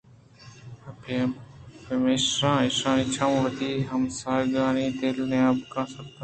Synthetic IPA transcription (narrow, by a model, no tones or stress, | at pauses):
pəmeːsɾãːɪsãːɪt͡ʃʰãːmːʋəd̪iːɦəmsaːɾɡaːnĩːd̪elneaːbkãːsək̚t̪õ